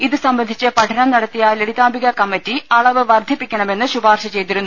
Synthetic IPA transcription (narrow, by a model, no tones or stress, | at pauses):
iðɨsɐmbɐnd̪ʱit͡ɕːɨpɐʈʰɐnɐmnɐɽɐt̪ːijaːleɽiðaːmbʱiɣɐkɐmːɐtːiɐɭɐʋɨʋɐrd̪ʱipːikʲːɐɳɐme̞nːɨɕubaːrɕɐt͡ɕe̞jt̪iɾunːu